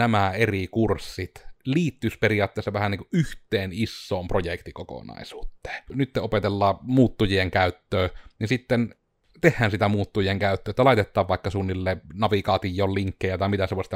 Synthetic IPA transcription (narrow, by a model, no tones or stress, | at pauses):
æmæerikursːit̪liːt̪ːysperijˑɑːt̪ːeˑːsːɑʋæhæniŋkuʔʔyht̪ˑeːnisːoːmprojekt̪ikoko̰nɑ̰ˑisuːt̪ːe̥ːnyt̪ːeopet̪elːɑːmuːt̪ːujieŋkæˑyt̪ːøːnisit̪ːen | t̪ehːæːnsit̪æmuːt̪ːujieŋkæˑyt̪ːøːet̪ːælɑˑit̪et̪ːˑɑːʋʋɑˑikːɑsuːnːilːeːnɑʋikɑːt̪ijːˑoːlliŋkːejɑt̪ɑˑimit̪æseʋoˑisit̪æ